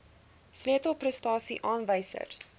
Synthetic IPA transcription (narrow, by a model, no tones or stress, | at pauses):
sliətəlˠprəstɑːsiʔɑːnvəjsə̰r